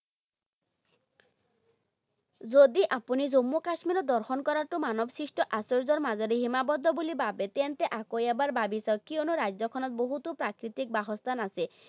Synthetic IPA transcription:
zod̪iʔapunizomːokaʃmiɾɔd̪ɔɾxʰɔnkɔɾaɾʈumanɔbsɾisʈɔʔasɔɾd͡zɔɾmazɔɾiɦimabɔd̪ʱɔbulibabet̪ɛnt̪eʔakojabaɾbabisɔkːionuɾajzɔkʰɔnɔt̪̚boɦut̪upɾakɾit̪ik̚baɦɔst̪anase

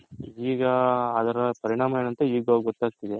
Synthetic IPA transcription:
iːɡɐːd̪ɐɾɐpɐɾiɳaːmɐjeːnɐnt̪ɐiːɡaɡɡɔt̪ːaːɡ̚t̪id̪e

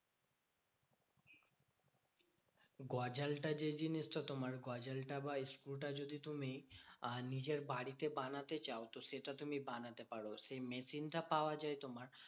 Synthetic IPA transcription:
ɡɔd͡ʑalʈad͡ʑed͡ʑiniʃʈat̪omaɾɡɔd͡ʑalʈabaiskulʈad͡ʑod̪it̪umi | nid͡ʑeɾbaɽit̪ebanat̪et͡ɕaot̪oʃeʈat̪umibanat̪epaɽoʃemesinʈapaoad͡ʑaejt̪omaɾ

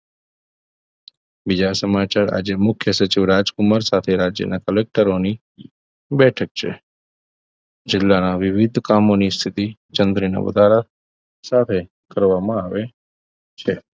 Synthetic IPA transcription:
bid͡ʒasəmat͡ʃaɾa̰d͡ʒemʊkʰjəsət͡ʃiʋɾad͡ʒkʊmaɾsat̪ʰeɾad͡ʒjə̰nakəlek̚ʈəɾoni | bɛʈʰək̚t͡ʃʰḛ | d͡ʒɪlːanaʋɪʋɪd̪ʱkamonist̪ʰit̪it͡ʃənd̪ɾina̰ʋə̰d̪ʱaɾa | sat̪ʰe | kəɾʋamãaʋe | t͡ʃʰe

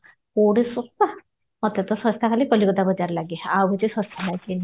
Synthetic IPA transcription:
koɽesɔst̪a | mɔt̪et̪ɔsɔst̪ʰakʰalikɔlikɔd̪abɔd͡ʒaɾlaɡeawɔd͡ʒesɔ̃st̪ʰalaɡe

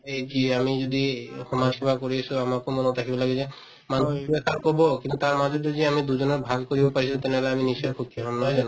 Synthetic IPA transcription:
eziamizod̪ixɔmakʰibakoɹiasuamakomɔnot̪ʰakʰibɔlaɡɛzɛ | manɔbibekʰaɹkɔbɔkĩnt̪ut̪aɹmazɔd̪eziamid̪uzɔnɔbʱaɡkoɹibɔpaɹisũt̪ɛnɦɔlɛaminisɔjkʰukiɦɔbnɔjzanɔ

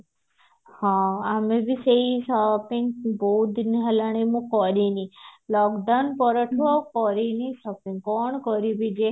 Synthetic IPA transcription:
hãamebʱiseisɔpĩŋɡboud̪iniɦəlaɳ̃imũkɔɾinilɔkɖawnpɔɾɔʈʰuɔkɔɾinisɔpĩŋɡkɔɳkɔɾibid͡ʒe

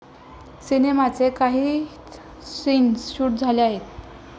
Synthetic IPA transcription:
sinemat͡sekaɦiː | sinsɕuːʈ̚d͡zʱaleaɦet̪

